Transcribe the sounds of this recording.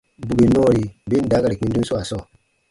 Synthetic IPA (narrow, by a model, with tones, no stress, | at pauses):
bu˨ɡe˨nɔ̃˦˨ɾi˨be˦n̩˦da˨˦ka˨ɾi˨k͡pĩ˧˦du˦sɔ˦a˨sɔ̃˦˨